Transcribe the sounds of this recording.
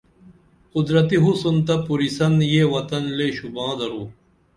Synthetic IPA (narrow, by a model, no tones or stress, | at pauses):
qʊd̪ɾɐt̪iɦusunt̪ɐpuɾisɐnjewɐt̪ɐnleːɕubãːd̪ɐɾuː